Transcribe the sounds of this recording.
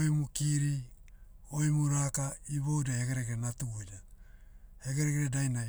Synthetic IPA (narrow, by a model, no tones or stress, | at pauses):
ojmukiɾi | o̞jmuɾakaiβo̞wdaheɡeɾeɡeɾenatula | he̞ɡeɾeɡeɾedajnaj